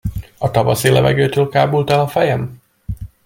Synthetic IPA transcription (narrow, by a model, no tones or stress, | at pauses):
ɒt̪ɒvɒsilɛvɛ̰ɡøːt̪øːlkaːbult̪ɛlɒfɛjɛm